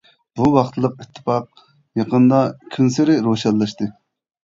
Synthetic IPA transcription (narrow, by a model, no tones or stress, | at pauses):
b̥uwɑχt̪ʰɨlˠəq̚it̪ʰːɨ̥fɑq̚ | jɑqənd̪ɑkʲʰynsɪɾɪɾoʃɑlːˠɑʃt̪ɨ